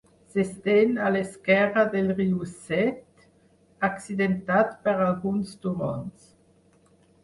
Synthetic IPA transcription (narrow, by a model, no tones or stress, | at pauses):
sest̪ɛnaleskɛʁad̪elʁiusɛt̪ | aksid̪ent̪at̪pəɾalɡunsd̪umɔ̰ns